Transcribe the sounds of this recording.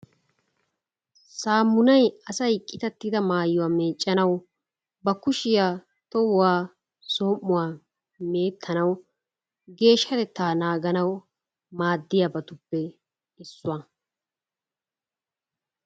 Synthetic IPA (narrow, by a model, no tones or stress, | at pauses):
saːmːʊnɐjɐsɐjɪkʼːɪt̪ɐt̪ːɪd̪ɐmaːjːʊwaːmeːt͡ʃʼːɐnɐw | bɐkʊʃɪjaː | t̪ɔwʊwaː | soːmːʊwaː | me̞ːt̪ʰːɐnɐw | ɡe̞ːʃːɐt̪ɛt̪ːaːnaːɡɐnɐw | maːd̪ːɪjabɐt̪ʊpːɛ | ɪsːʊwa